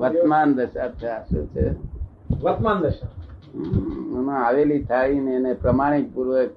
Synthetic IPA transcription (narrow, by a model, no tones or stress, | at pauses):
ʋət̪mand̪əʃat͡ʃʰeaʃṵt͡ʃʰḛ | ʋət̪mand̪əʃa | ũnãaʋelit̪ʰaɭineːnepɾəmaɽ̃ik̚puɾʋək